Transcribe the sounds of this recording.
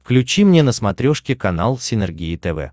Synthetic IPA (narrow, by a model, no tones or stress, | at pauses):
klʲʉt͡ɕimnʲenəsmɐt̪ɾʲoʂkʲɪkɐna̰lˠsʲɪnʲɛrɡʲiɪt̪ɛvɛ̰